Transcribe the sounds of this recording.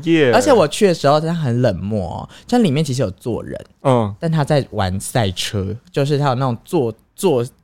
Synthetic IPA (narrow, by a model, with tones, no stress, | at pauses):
ɛ˥˨ə˞˧˥t͡ɕʰɛ˧˦wɔ˨˩t͡ɕʰy˥˩ə˩ʂɻ̩˧˥xo˥˧˥nʰa˥xə˧˦nlə˨˩nmwɔ̰˥˩˦ɔ̰˨˩t͡ɕo˥˩˥li˨˩mjɛ˥˩t͡ɕʰi˧ʂ̬ɻ̩˧joɔ˨˩ʊt͡swɔ̰˥˨ɻə̰˧˦n˩t̪a˥˩nt̪ʰa˥t͡sa˥˩ɪwa˧˦nsa˥˩ɪʈ͡ʂʰɤ˥t͡ɕjo˥˧ʊʂ̬ɻ̩ʰ˥˩a˥jna˥˩ʈ͡ʂʊ˨˩ŋt͡swɔ˥˧ | t͡swɔ˥˨˩